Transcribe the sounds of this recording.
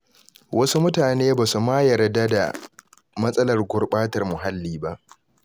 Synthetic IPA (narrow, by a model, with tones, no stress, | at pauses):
wʔɐ˦su˦mʊ˦taː˨neː˦baː˨su˨maː˦jɐ˨rda˦da̰˨ | mɐ˦sʼɐ˦lɐ˨rɡʷʊ˨rɓaː˦tɐ˨rmʊ˨ɦa˦lːiː˨ba˦ʔ